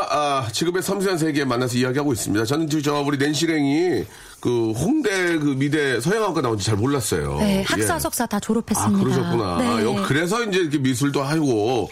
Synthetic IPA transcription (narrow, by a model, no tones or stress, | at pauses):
at͡ɕiɡɯmesʰʌmsʰʌns̬ʰeɡeːmanːas̬ʰʌijaɡiɦaɡois͈ɯmɲidat͡ɕʌnɯnt͡ɕɯt͡ɕʌabuɾine̞nɕ̬ʰiɾe̞ŋi | kɯɸoŋde̞kɯmide̞sʰʌɦeŋɦak͈anaond͡ʑit͡ɕaɭmoɭːas͈ʌ̰jo̰ehajeks͈asʰok̚s͈atat͡ɕoɾopʰes͈ɯmkːɯɾʌɕʰʌkkuna̰njʌkɯɾe̞s̬ʰʌind͡ʑe̞iikʰemis̬ʰuɭdoɦaiɡo